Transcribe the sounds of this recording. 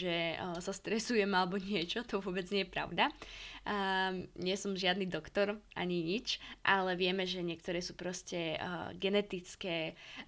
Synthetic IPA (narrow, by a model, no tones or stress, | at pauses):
ʒɛsast̪ɾɛsujɛmalɛbɔɲɪɛt͡ʃɔt̪ɔʋʊɔbɛd͡zɲɛjɛpɾa̰ʊd̪a | ɲɪɛsɔmʒɪad̪niːd̪ɔkt̪ɔɾʔa̰ɲiɲit͡ʃʔalɛʋɪɛmɛʒɛɲɪɛk̚t̪ɔɾɛːsuːpɾɔscɛɡɛnɛt̪it͡skɛː